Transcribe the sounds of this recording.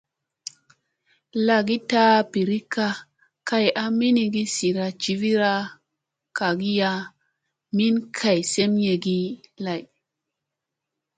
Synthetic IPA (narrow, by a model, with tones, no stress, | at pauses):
la˨ɡi˦ta˦pi˨ɾi˦ka˦ | ka˨ja˦mi˦ni˧ɡi˦si˨ɾa˧t͡ʃi˨vi˦ɾa˦ | ka˨ɡi˦ja˧ | mi˦nkʰa˨jse˦mje˨ɡi˦la˨j